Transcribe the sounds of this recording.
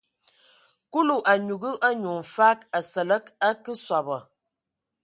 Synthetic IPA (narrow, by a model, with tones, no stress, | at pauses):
ku˦lu˨ʔa˨ɲu˨ɡə˦ʔa˦ɲu˨n̩˨fa˦ka˨sə˨lə˦ka˦kə˦swa˨bə˨